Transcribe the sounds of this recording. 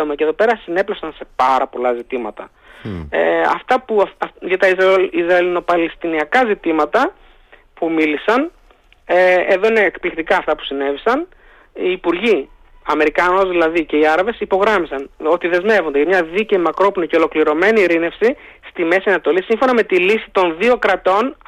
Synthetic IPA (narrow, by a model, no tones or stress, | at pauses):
omɐceðo̞pe̞ɾɐsine̞plɐfsɐnse̞pɐɾɐpo̞lɐzit̪imɐt̪ɐ̰ | ɐ̰ft̪ɐpuʝɐt̪ɐizɾɐizɾɐelino̞pɐlest̪iniɐkɐzit̪imɐt̪ɐ | pumilisɐn | eeðo̞ine̞ːkplikt̪ikɐːft̪ɐpu̥sine̞visɐn | iːpuɾʝi | ɐme̞ɾikɐno̞zðilɐðice̞iɐɾɐve̞sipo̞ɣɾɐmisɐno̞t̪iðe̞zme̞vond̪eʝɐmɲɐðiceimɐkɾo̞plonice̞o̞lo̞kliɾo̞me̞niɾine̞fsist̪ime̞siɐnɐt̪o̞lisiɱfo̞nɐme̞t̪ilisi̥t̪o̞nðio̞kɾɐt̪o̞n